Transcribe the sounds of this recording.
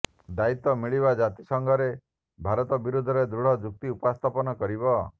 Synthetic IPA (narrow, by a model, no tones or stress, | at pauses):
d̪ait̪ɔmiɭiβad͡ʒat̪isɔŋɡɔɾe | bʱaɾɔt̪ɔbiɾud̪ʱɔɾed̪ɾuɽ̤ɔd͡ʒuk̚t̪iupast̪ʰapɔnɔkɔɾibɔ